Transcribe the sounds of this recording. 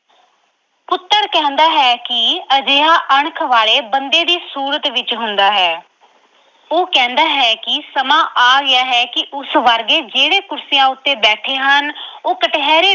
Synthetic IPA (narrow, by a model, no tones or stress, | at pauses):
pʊt̪ːəɾkɛ̃ːnd̪aːɦɛːkɪəd͡ʒeːãːʔəɳkʰʋaːleːbənd̪eːd̪iːsuːɾət̪ʋɪt͡ʃɦʊnd̪aːɦɛː | oːkɛ̃ːnd̪aːɦɛːkɪsəmãːʔaːɡɪjaːɦɛːkɪʔʊsʋəɾɡeːd͡ʒeːɽeːkʊɾsɪjãːʊt̪ːeːbɛːʈʰeːɦənoːkəʈɦɛːɾeː